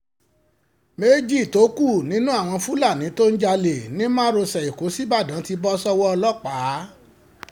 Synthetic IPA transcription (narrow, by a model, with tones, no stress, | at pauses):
me˦d͡ʒi˦˨to˨˦ku˦˨nĩ˦nũ˦a˦˨w̃ɔ̃˧fu˦la˦˨nĩ˨˦to˦n̩˦d͡ʒa˧le˨nĩ˨˦mãː˦ɾo˧sɛ˨i˨ko˨˦si˦ba˦˨dã˨˦ti˧bɔ˦sɔ˦wɔ˦ɔ˧lɔ˦˨k͡paː˨˦